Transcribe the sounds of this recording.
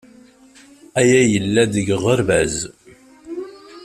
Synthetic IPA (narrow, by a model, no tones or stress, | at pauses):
æjæjəlːæðəɡʁəɾvæz